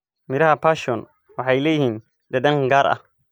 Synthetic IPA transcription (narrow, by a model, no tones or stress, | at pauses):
mɪɾɐhɐpaːʃɔːn | wɑħɑjlɛːjɪhiːn | d̪ɐd̪ɐŋɡaːɾʔɐ̰h